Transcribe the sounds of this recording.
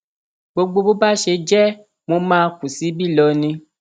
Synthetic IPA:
bo˧ɡ͡bo˧bo˦ba˦ʃe˧d͡ʒɛ˦˨ | mo˧mãː˦ku˨si˨˦bi˦˨lɔ˧nĩ˧

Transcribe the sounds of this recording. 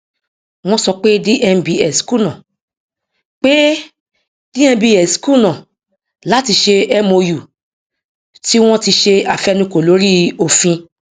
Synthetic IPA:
w̃ɔ̃˧sɔ˧k͡pe˦di˦ʔɛ˧m˨bi˧ɛ˨sku˦˨nã˨ | k͡pe˦ | dĩ˦ɛ̃˦˧˦bi˧ɛ˨sku˦˨nã˨ | la˨˦ti˧ʃe˧ɛ˦mo˧ju˨ | ti˦w̃ɔ̃˦ti˧ʃe˧a˨fɛ˧nũ˧ko˨lo˨˦ɾi˦o˨fĩ˧

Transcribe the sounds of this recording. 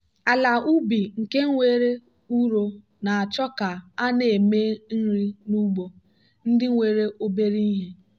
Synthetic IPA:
a˨la˨u˦bi˨ŋ̩˨ke˦ŋ̩˦ŋʷe˦ɾe˦ | u˦ɾo˦ | na˨a˨t͡ʃɔ˦ka˨a˦ne˨e˨me˦n̩˦ɾi˦nu˦ɡ͡bo˨ | n̩˦dɪ˦ŋ̩˦wʷe˨ɾe˦ʔo˦be˦ɾi˦i˦ɦe˦

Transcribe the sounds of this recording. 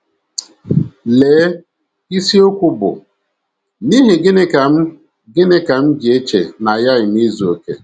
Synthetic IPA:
leː˨˦ | i˦si˦o˦kʷʊ˦bʊ̰˨ | ni˦ɦe˨ɡɪ˦ne˦ka˨m̩˦ | ɡɪ˦ne˦ka˨m̩˦d͡ʒɪ˨e˦t͡ʃḛ˨na˨ja˦ɪ˨m˦i˦zu˨o˨kḛ˨

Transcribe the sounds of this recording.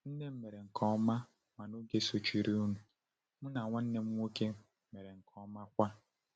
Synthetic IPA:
n̩˦ne˦m̩˦me˨ɾe˨ŋ̩˨kʰɔ˦ma˦ | ma˨no˦ɡe˦so˨t͡ʃi˨ɾi˦u˦nu˨ | mʊ˦na˨ŋʷa˦n̩˦ne˦m̩˦ŋʷo˦ke˦ | me˨ɾe˨ŋ̩˨kʰɔ˦ma˦kʷa˦

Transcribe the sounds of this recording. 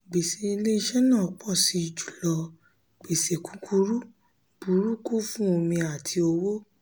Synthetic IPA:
ɡ͡be˨se˨i˧le˦ʃɛ˦nãː˦˨k͡pɔ˦˨si˧i˨˧˨d͡ʒu̥˨lɔ˧ | ɡ͡be˨se˨ku˦kʰu˦ɾu˦ | b̥u˨˦ɾu˦ku˦fũ˦o˧mĩ˧a˨tʰi˧o˧wo˦

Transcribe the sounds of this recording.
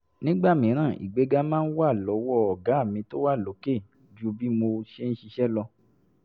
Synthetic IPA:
nĩ˦ɡ͡ba˦˨mĩ˨˦ɾ̃ãː˦˨ʔḭ˨ɡ͡be˨˧ɡa˧mãː˦n̩˦wa˦˨lɔ˨˦wɔ˦ɔ˨ɡa˨˦˨mĩ˧to˦wa˦˨lo˨˦ke˦˨d͡ʒu˦bi˦mo˧ʃe˦n̩˦ʃi˧ʃɛ˦lɔ˧

